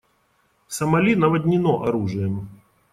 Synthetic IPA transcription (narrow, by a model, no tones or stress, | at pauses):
sɐmɐlʲinɐvɐdʲnʲɪnɔʔɐɾuʐɨjəm